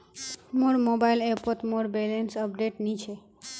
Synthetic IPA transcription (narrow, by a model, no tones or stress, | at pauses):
moɾmobajlepot̪moɾbelensəp̚ɖeʈnit͡ʃʰe